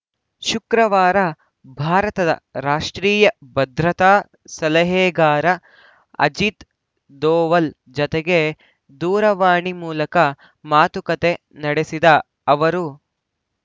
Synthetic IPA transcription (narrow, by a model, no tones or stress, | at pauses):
ʃukɾɐʋaːɾɐ | bʱaːɾɐt̪ɐd̪ɐ̰ɾaːʂʈɾiːjɐbɐd̪ɾɐt̪aː | sɐlɐɦeːɡaːɾɐ | ɐ̰d͡ʒit̪ | d̪oːʋɐl | d͡ʒɔt̪eɡe̞ | d̪uːɾɐʋaːɳimuːlɐkɐ | maːt̪ukɐt̪e | nɐɽesid̪ɐ | ɐʋɐɾu